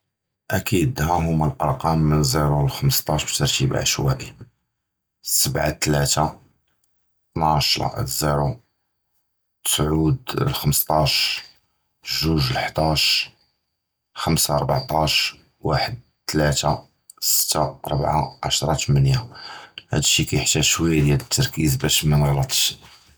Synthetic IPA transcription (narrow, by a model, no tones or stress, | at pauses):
ʔækʰid̪hæɦʊmːælʔɑ̰ɾˤqɑmːənziɾulxəmst̪ˤɑʃbt̪əɾˤt̪ib̰ʕə̰ʃwæ̰ʔi | səbʕa̰t̪læt̪a | t̪nʕaʃlɑ̰ʔziɾu | sʕud̪lxəmst̪ˤɑʃ | ʒuʒəlħd̪ɑʃ | xəmsaɾˤbaʕt̪ˤɑʃ | waħəd̪̚t̪læt̪a | sə̥t̪ːa̰ɾˤbʕa̰ʕa̰ʃɾˤɑt̪mænjahæ̰d̪əʃːikæjəħt̪æʃwəjːad̪jælət̪ːɑɾˤkizbæʃmænɣlɑt̪ˤʃ